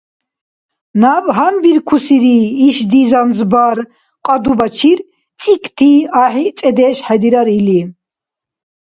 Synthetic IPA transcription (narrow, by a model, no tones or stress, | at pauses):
nabʼɦanbiɾkʰusiɾiːʃd̪izanzbaɾ | qʼad̪ubat͡ʃʰiɾ | t͡sʼikʰʼt̪ʰiaħit͡sʼɛd̪ɛʃħɛd̪iɾaɾili